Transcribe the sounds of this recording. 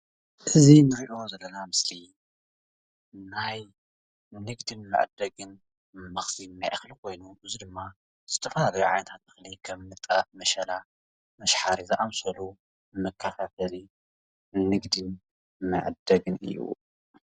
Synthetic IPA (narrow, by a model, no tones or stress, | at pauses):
ʔɨzinɨɾiʔo̞zɐlːɐnamɨsli | naj | nɨɡd̪ɨnmɨ̰ʕd̪ːɐɡɨn | mɐxfinajʔaxlikʰo̞jnuʔɨzid̪ɨmːa | z̥ɨt̪ʰɐfɐlalɐjuʕajnɐt̪ʰat̪̚ɨxlikʰɐmmɨt̪ʼːamɐʃɐla | mɐʃħaɾizɨʔamsɐlu | mɐkʰːɐt̪ʰat̪ʰɐli | nɨɡd̪ɨn | mɐ̰ʕd̪ɐɡɨnɨ̰jːṵ